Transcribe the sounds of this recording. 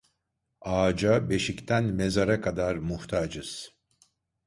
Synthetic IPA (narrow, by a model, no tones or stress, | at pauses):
aːd͡ʒabe̞ʃict̪ʰænmezaɾakʰad̪aɾmuht̪ʰaːd͡ʒɯz̥